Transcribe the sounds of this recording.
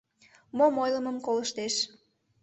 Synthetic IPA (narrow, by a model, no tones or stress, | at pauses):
momojləməmkoləʃt̪eʃ